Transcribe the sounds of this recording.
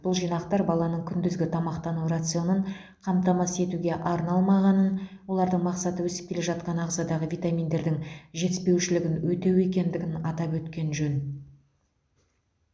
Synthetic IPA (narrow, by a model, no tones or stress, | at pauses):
b̥ʊlˠʒijnɑqt̪ɑɾbɑlˠɑnəɴkʲʰʏnd̪ɪzɡʲɪt̪ʰɑmɑqt̪ɑnuɾat̪sɨo̞nəɴ | qʰɑmt̪ɑmɑse̞t̪uɡʲe̞ʔɑɾnɑlˠmɑʁɑnənwo̞lˠɑɾd̪əɴmɑqsɑt̪əwɵsɪ̥p̚kʲele̞ʒɑt̪̚qɑnɑʁzɑd̪ɑʁəvʲijt̪amʲind̪e̞ɾd̪ɪŋʒe̞t̪ɪspe̞wʃɪlɪɡʲɪnwɵt̪e̞we̞kʲe̞nd̪ɪɡʲɪnɑt̪ɑpwɵt̪kʲe̞nʒɵn